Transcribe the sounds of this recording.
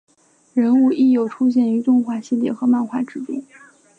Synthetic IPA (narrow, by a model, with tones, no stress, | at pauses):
ɻə˧˥nu˥˧i˥˩jo˨˩ʊʈ͡ʂʰu˥ɕ̬jɛ˥˩ny˧˥t̪ʊ˥˧ŋxwa˥˩ɕi˥˧ljɛ˥˩xɤ˧˥ma˥˧nxwa˥˩ʈ͡ʂɻ̩˧˥t̪i˥˩˦